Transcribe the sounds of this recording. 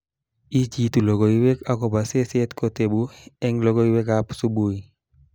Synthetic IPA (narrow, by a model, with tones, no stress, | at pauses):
i˦d͡ʒi˨tu˨lo˨ɡo˨i˦we˦ka˦kɔ˨ba˨se˦sɛ˦tko˨te˨bu˦ɛ˦ŋlɔ˦ɡo˦i˦we˦ka˦psu˦bu˦i˨